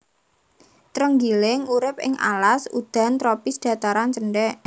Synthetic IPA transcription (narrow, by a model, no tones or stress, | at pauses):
t̪ɾəŋɡilɪŋuɾɪp̚ɪ̰ŋʔa̰lasud̪̥a̤nt̪ɾopisd̥ä̤t̪aɾant͡ʃənɖɛ